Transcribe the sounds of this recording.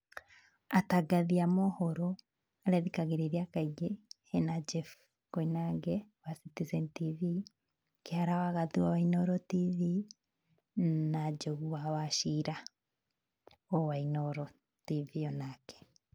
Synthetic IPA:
ataɡaðiamohɔɾɔ | aɾɛðikaɣeɾeɾiakaiɡehenad͡ʒɛf | koinaɡɛwasitisɛntivi | keaɾawaɣaðuwawainɔɾɔtivi | nad͡ʒoɣuwawaʃiɾa | ɔwainɔɾɔ | tiviɔnakɛ̥

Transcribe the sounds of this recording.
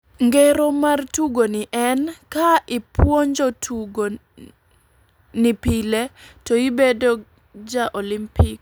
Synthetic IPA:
ŋɡeɾomartuɡonɪʔɛnkaɪpwoɲd͡ʒotʰuɡo | nipiletoibedo | d͡ʒaʔolimpɪk

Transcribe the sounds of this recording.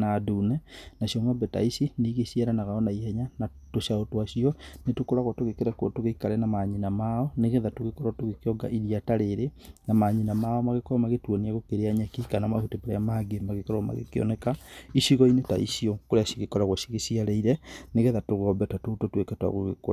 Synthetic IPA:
naduːnɛnaʃiɔŋɔbɛta̰isineɣesiaɾanaɣaɔnaihɛɲana | toʃaotwaʃiɔnetokoɾaɣwɔtoɣekeɾɛkwɔtoɣeikaɾɛnamaɲinamaɔneɣeðatoɣekɔɾatoɣekeɔɡa̰ʔiðijataɾeɾenamaɲinamaɔmaɣekɾɔmaɣetwoniaɣokeɾeaɲɛkikanamahoteboɾḛamaːɡemaɣekɔɾɔma̰ɣḛkeɔ̰nɛkaiʃiɣɔineta̰ḭʃiɔkoɾeaʃiɣekɔɾaɣwaʃiɣesiaɾɛiɾɛneɣeðatoɣɔmbɛtatototwekɛtwa̰ɣoɣḛko̰a

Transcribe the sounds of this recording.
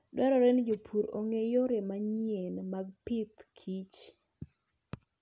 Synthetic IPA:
dwɛɾɔɾɛnd͡ʒopʰuɾo̰ŋejoɾemaɲijenmaɡ̚pɪt̪kʰit͡ʃ

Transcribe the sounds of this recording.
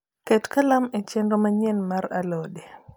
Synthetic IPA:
kɛtkalamɛt͡ʃɛndɔmaɲɛnmaɾa̰lɔɗɛ

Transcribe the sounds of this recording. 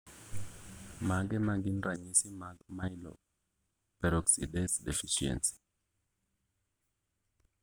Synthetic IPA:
maɡɛmaɡinraɲisimamailɔ̰ | pɛɾɔksḭdɛsdɛ̰fiʃiɛ̰nsi̥

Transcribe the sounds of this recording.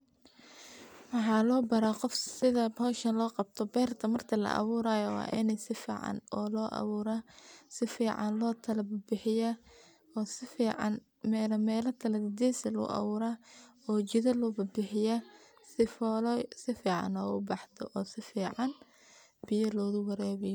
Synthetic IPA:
wɑħɑːlɔːbɐɾaːqɔfsɪðɐhɔːʃɐnlɔːqɑb̚t̪ʰɔbɛːrt̪ʰɐmɐrt̪ʰɐlɐ̰ʔɑ̰βʊːɾaːjɔwɑ̰ːʔɪnɛsɪfḭːʕɑ̰nɔːlɔːʔɑ̰βʊːɾasɪfiːʕɑ̰nlɔːt̪ʰɐlɐbbɪħɪjɐ | ɔːsɪfiːʕɑ̰n | mɛːlɐmɛːlɐt̪ʰɐlɐðɪd̪ɛːsɐlʊ̰ʔɐ̰βʊːɾaːɔːt͡ʃɪðɐlʊːbɐbɪħɪjɐ | sɪfɔlɔsɪfiːʕɑ̰nɔ̰ːʊbɑħd̪ʰɔ̰ʔɔːsɪfiːʕɑn | b̥ɪjɐlɔːɣʊwɐɾɛːβɪjɔ

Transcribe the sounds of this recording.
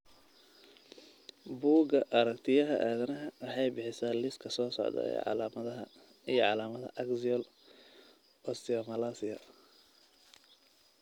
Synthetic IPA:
buːɡɐʔɐɾɐkt̪ʰɪjɐɦɐʔaːðɐnɐɦɐwɑħɑjbɪħɪsaːlɪskʰɐsɔːsɔ̰ʕd̪ɐ̰ɛ̰ʕ̰mɐðɐɦɐ | ijɔʕɑlaːmɐðɐ̰ʔɐksɪɔl | ʔɔːsɪɔmɐlasɪjɐ̰

